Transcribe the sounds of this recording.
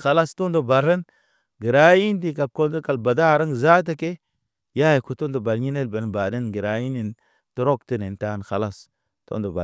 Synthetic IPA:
xa˨la˦sto˦ndo˨ba˨ɾə˦n | ɡi˨ɾa˨˦ji˦ndi˦˨ka˨lko˦ndo˦ka˨lba˨da˦˨ɾa˦ŋza˦t̬a˦ke˦ | ja˦je˨ku˨to˦ndo˨ba˨lɲi˦ne˦lba˨n˨ba˨də˦nɡi˨ɾa˨ji˦ni˨n | tu˦ɾo˦kti˦ne˨n˨ta˦n˨xa˨la˦s | to̰˦ndo˨ba̰˨

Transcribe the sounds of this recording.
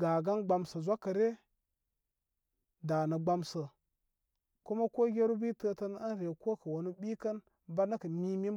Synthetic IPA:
ɡa˨ɡa˦nɡ͡ba˨msə˨zʷa˦kːɐ˨ɾe˦ | da˨nə˨ɡ͡ba˦msə˨ | ku˦ma˦ko˦ɡʲe˦ɾu˦bi˦tə˦tə˦na˦n˦ɾe˨ko˦kə˨wo˨nu˦ɓi˦kɐ˦n | ba˦nə˦kə˨mi˦mi˦m

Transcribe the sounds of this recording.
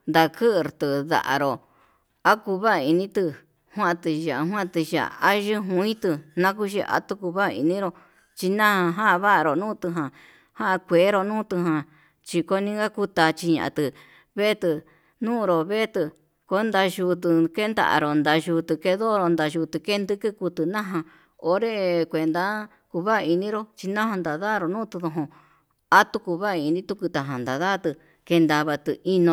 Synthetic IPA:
nd̪a˧kʰɨ˦ʔɾt̪ɨ˨ða̰˨ʔa̰˨ɾo˨ | a˦ku˧βa˦˧i˧nĩ˦t̪ɨ˧ | hwã˦˧t̪ɨ˧ʒa˨˧ɦw̃ã˦ʔt̪ɨ˧ʒa̰˨a˦ʒɨ˦ɦũ˧ĩ˦t̪ɨ˧nã˦k̬u˦ʒi˧a̰˦t̪u˧˦ku˧βa˦˧ḭ˧nĩ˦ɾo˧ | t͡ʃi˧nã˦hã˧ɦã˦˧βa˦ʔɾo˨nũː˦t̪ɨ˧ɦã˨ | hã˦ʔa˧kʷe˨˦ɾo˧nũː˦t̪ɨ˧ɦã˧ | t͡ʃi˧ko˧˦nĩ˦ɡa˦ku˧t̪a˧t͡ʃi˧ɲã̰˨ʔa̰˧t̪ɨ˧ | βe˦t̪ɨ˧ | nũː˦˧ɾo˨βe˦t̪ɨ˧ | ko˦nd̪a˧ʒu˧t̪ɨ˧ke˦nd̪a̰˧ʔa̰˧ɾo˨nd̪a˧ʒu˧t̪ɨ˧ke˧ðo˦˧ɾo˧nd̪a˧ʒu˧t̪ɨ˧ke˦nd̪ɨ˦kɨ˦ku˧t̪ɨ˧nã˦ɦã˧ | o˦ɾe˦˧kʷe˨nd̪a˦ | ku˧βa˦˧i˧nĩ˦ɾo˧t͡ʃi˧nã˦hã˧nd̪a˨ða˦˨˧ɾo˧˨nũː˦t̪ɨ˧ðo˧ɦõ˧ | a˦t̪u˧ku˧βa˦˧i˧nĩ˦t̪u˧ku˧t̪a˨ɦã˨nd̪a˨ða˦t̪ɨ˧ | ke˧nd̪a˧βa˧t̪ɨ˧i˧nõ˧

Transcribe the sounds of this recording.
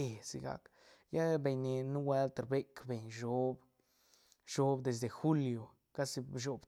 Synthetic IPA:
e˨sḭ˧ɡa̰˨˧k | ja˦be˨ɲni˨nu˦we˦lt̪ɾbe˦kbe˨ɲʒo˦b | ʃo˦bd̪e˨sd̪e˨xu˦ljo˨ | ka˦si˧bʃo˨b

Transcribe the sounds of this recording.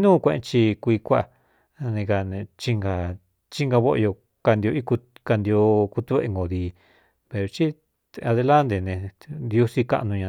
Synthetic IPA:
nũː˦˧kʷẽ˧ḛ̃˧t͡ʃi˧kʷi˧kʷa˦˧˨ | nẽ˧ka˧nẽ˧t͡ʃi˧ŋɡa˧ | t͡ʃi˦˧ŋɡa˧βo˦ʔjo˧ | ka˧nd̪i˧o˧i˦ku˧ka˧nd̪i˧o˧ku˧t̪u˧βe˧e˧ŋɡo˨ði˧ | pe˨ɾo˧t͡ʃi˦ | a˧ðe˧la˦nd̪e˨nẽ˧d̪jo˧si˦ka̰˧ʔnũ˧ɲã˧

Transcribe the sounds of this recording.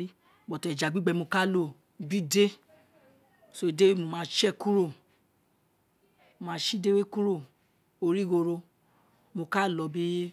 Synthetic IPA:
i˦˨ | ɡ͡bɔ˨tɛ˨d͡ʒa˨ɡ͡bi˦ɡ͡bɛ˧mo˧ka˦lo˦˨ | bi˦˨de˦ | so˦i˨de˦we˦˨mo˨˧mãː˨˦ʃɛ˦˨ku˦ɾo˦˨ | o˧˨mãː˧˦ʃi˦de˦we˦ku˦ɾo˦˨ | o˧ɾi˦ɡo˧ɾo˧ | mo˧ka˦˨lɔ˨˧bi˦

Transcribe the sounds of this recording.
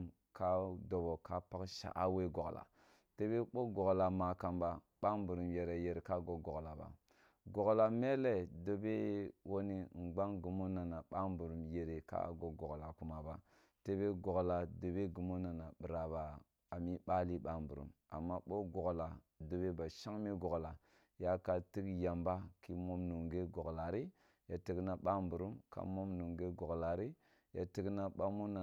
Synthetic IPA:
ka˦do˨bo˨ka˦pa˦kʃa̰˨ʔa̰˦we˦ɡo˨ɡla̰˨ | te˦be˦ɓo˦ɡo˨ɡla˨ma˨ka˨mba˦ | ɓa˦mbu˨ɾu˨mje˨ɾa˨je˨ɾe˨ka˦ɡo˨ɡo˨ɡla˨ba̰˨ | ɡo˨ɡla˨me˦le˦˨do˨be˦wo˦ni˦˨ɡ͡ba˦ŋɡu˨mo˦na˨na˨ɓa˦m˦bu˨ɾu˨mje˨ɾe˨ka̰˦˨ɡo˨ɡo˨ɡla˨ku˦ma˨ba˦ | te˦be˦ɡo˨ɡla˨do˨be˦ɡu˨mo˦na˨na˨ɓi˨ɾa˨baː˨ | mi˦ɓa˦li˦ɓa˦mbu˨ɾṵ˦m | a̰˨mːa˦ɓo˦ɡo˨ɡla˨ | do˨be˦ba˨ʃa˦ŋmi˦ɡo˨ɡla˨ | ja˦ka˨ti˦kja˨mba˦ki˦mo˦mnu˨ŋɡe˦ɡo˨ɡla˨ɾi˦ | ja˨ti˦ɡna˨ɓa˦mbu˨ɾu˦mka̰˨˦mo˦mnu˨ŋɡe˦ɡo˨ɡla˨ɾi˦ | ja˨ti˦ɡna˦ɓa˦mo˦na˨

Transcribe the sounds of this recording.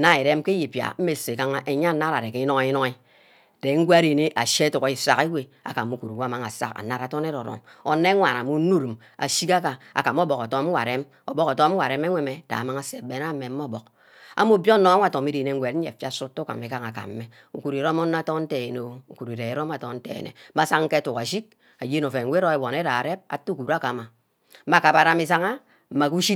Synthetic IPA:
na˦i˨ɾe˦m˦ke˦ji˨pja̰˨m̩˦me˨se˨ka˦ŋa˦ʔe˨ɲa˦na˦ɾa˨ɾe˨ke˨i˦no˦ŋe˦i˦no˦ŋi˦ | de˨˦ŋ̩˦ɡʷe˦a˦ɾi˨ne˦ʔa̰˨ʃe˦tu˨ki˨˦sa̰˨ki˦we˦a̰˨ka˨mu˦ku˨ɾu˨wa˦˨ma˨ŋa˨sa̰˦ka̰˨na˦ɾa˨to˦ne˦ɾo˨ɾo̰˨mo˨ne˦ŋʷa˨na˨mu˦nu˦ɾi˨m | a̰˨ʃi˦ka˦ka˨a̰˨ka˨m˦o˦bo˨ko˨to˦m̩˦wʷa̰˨ɾe˦m | o˨bo˦ko˨to˦m̩˦wa˨ɾe˦me˦ŋʷe˦me˨da̰˨ma˦ŋa˦se˨be˨na˦me˨m̩˦o˦˨bo˨k̚ | a̰˦mo˦bjo˦no˨a˦ŋʷ˦a˨to˨mi˦ɾe˨ne˨ŋ̩˦wʷe˨t̩˦e˨fja˦su˦tːu˦ka̰˨me˨ka˦ŋa˨ka̰˨m̩ː˦e˦ | u˨ku˨ɾi˨ɾo˦mo˦nːa˦to˦n̩˦te˨e˨no˨u˨ku˨ɾi˨ɾe˨e˨˦ɾo˦ma˨tɔ˦n̩˦tḛ˨ḛ˨nḛ˨˦ma˦sa˦kŋ̩˦ke˦tu˨ka˨ʃ̬i˦t̚ | a˨je˦no˨fe˨˦wʷe˦ɾo˦e˨wɔ˨ne˦ɾa˨ɾe˦p̚a̰˨tːu˦ku˨ɾa˦ka˨ma˨˦ | ma˨ka˨pa˨ɾa˦mi˨s̬a˦ŋa˦ | m̩˨ma˨ku˦ʃi˦

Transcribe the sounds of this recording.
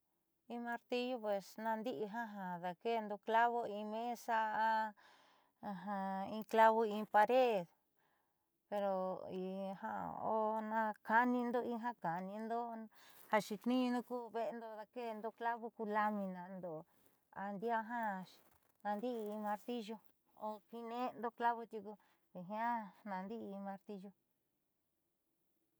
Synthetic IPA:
ĩ˧mã˧ɾt̪i˦ʒu˦pwe˨snã˧nd̪i˦ʔi˧ɦã˦ɦã˧ða˧ke˦˧nd̪o˧kla˦βo˧ĩ˧mẽ˦sa˧a˧ | ɦã˧ĩ˧kla˦βo˧ĩ˧pa˧ɾe˦ð | pe˧ɾo˧i˧ha̰˧o˦nã˧ka˧nĩ˧nd̪o˦˧ĩ˧ɦã˦ka˨˧nĩ˧nd̪o˦ha˧ʃi˧t̪nĩ˦˧nũ˦kuː˦βe˧ʔe˧nd̪o˧t̪a˧ke˦˧nd̪o˧kla˦βo˦ku˧la˧mĩ˧nã˧nd̪o˧˨˧ | a̰˧nd̪i˦a˦˧ɦã˦ | nã˧nd̪i˦˧mã˧ɾt̪i˦ʒo˧ | o˧ki˧nẽ˦˧nd̪o˧kla˦βo˧t̪ju˧ku˧ | βe˧ɦĩ˧˦ã˦nã˧nd̪i˦˧mã˧ɾt̪i˦ʒo˧

